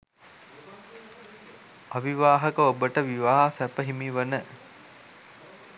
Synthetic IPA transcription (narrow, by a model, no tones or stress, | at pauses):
aʋiʋaːɦəkəobəʈəʋiʋaːɦasæpəɦimiʋənə